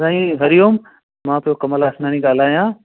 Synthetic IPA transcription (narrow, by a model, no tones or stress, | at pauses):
ãːĩɦɐɾijoːm | mãːpijokɐməlaːsnaːnĩɡaːl̤aːjãː